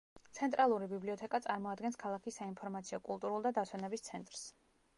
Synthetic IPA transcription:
t̪sʰɛnt̪ʼɾalˠuɾibibliɔt̪ʰɛkʼat̪sʼaɾmɔad̪ɡɛnskʰalˠakʰisːainpʰɔɾmat̪sʰiɔkʼulˠt̪ʼuɾulˠd̪ad̪asʰwɛnɛbist̪sʰɛnt̪ʼɾs

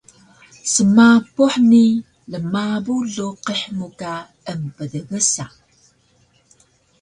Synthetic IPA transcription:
səmapuħni | ləmabuɮuqiħmuka | əmpəðəɣəsa

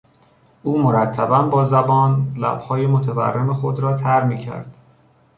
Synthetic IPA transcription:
ʔuːmoɾæt̪ʰːæbænbɒːzæbɒːnlæ̰b̥hɒːjemot̪ʰævæ̰rːe̞mexod̪ɾɒːt̪ʰæɾmiːcʰæ̰ɾd̪̥

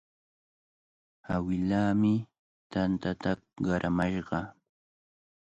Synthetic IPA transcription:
awɪlaːmɪ | t̪ant̪at̪aɢɑɾʔamaʃɢɑ

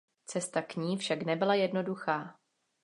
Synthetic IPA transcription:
t͡sɛst̪akɲiːfʃaknɛbɪlajɛdno̞duxaː

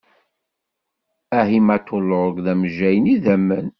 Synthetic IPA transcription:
æɦimæt̪ːolʊəɡðæmʒæjniðæmːən

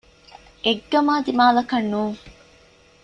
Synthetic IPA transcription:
eɡːɐmaːd̪imaːlɐkɐnːuːŋ

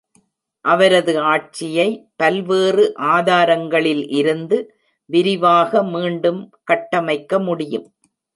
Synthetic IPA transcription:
ʔɐʋɐɾɐðɯaːʈ̚t͡ʃːɪjɐɪpɐlʋeːrɯʔaːðaːɾɐŋɡɐɭɪlʔɪɾɯnd̪ɯ | ʋɪɾɪʋaːɣɐmiːɳɖɯmkɐʈːɐmɐɪkːɐmʊɽɪjɯm

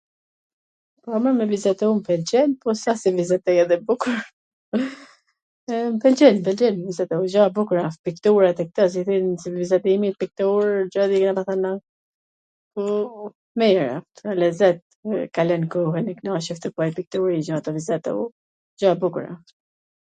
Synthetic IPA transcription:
pɔaməmɛvizɛt̪ɛumpɛld͡ʒɛnpɔsasivizɛt̪ɛjɛðɛbukuɾ | mpɛld͡ʒɛnpɛld͡ʒɛnmɛvizɛt̪ɛud͡ʒabukɾafpikt̪uɾat̪ɛk̚t̪əs̬iθinsivizɛt̪imit̪̚pik̚t̪uɾd͡ʒaðiknapaθana | pɔ | mɛɾa̰ft̪alɛzɛt̪̚ | kalɛnkɔɦɛniknaʃɛft̪əkuajpik̚t̪uɾid͡ʒaat̪ɔvizɛt̪ɛ̰ṵ | d͡ʒabukuɾa̰f

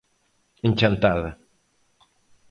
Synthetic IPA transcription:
eɲt͡ʃant̪aða

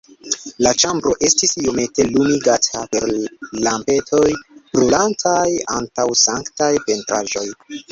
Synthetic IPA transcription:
lat͡ʃambɾo̞ʔe̞stisijome̞te̞lumiɡatʰape̞ɾlampe̞tʰo̞jb̥ɾulantʰaja̰ntawsaŋktajpe̞ntɾa̰ʒo̞j

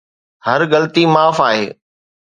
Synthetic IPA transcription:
hɐɾɣɐlt̪imaːfaːɦeː

